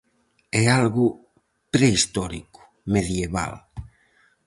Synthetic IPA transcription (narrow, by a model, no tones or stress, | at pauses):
ɛalɣu | pɾeist̪ɔɾḭku̥ | meðjeβa̰l